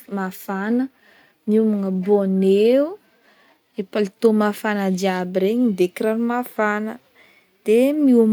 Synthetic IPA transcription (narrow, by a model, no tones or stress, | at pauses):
mafanə | miumuŋəboneu | epalit̪omafanəd͡ʒ̪iabiɾeɲid̪ekiɾanimafanə | d̪̥emium